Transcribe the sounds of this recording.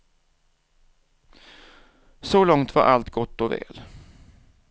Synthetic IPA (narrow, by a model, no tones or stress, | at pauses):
sɔlɔŋt̪va̰ɾʔalt̪ɡɔt̪ːɔvɛ̰ːl